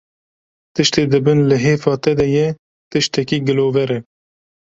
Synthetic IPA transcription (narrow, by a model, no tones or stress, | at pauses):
t̪ɨʃt̪eːd̪ɨbɨnlɨɦeːfɑːt̪ɛd̪ɛjɛ | t̪ɨʃt̪ɛkiːɡɨloːvɛɾɛ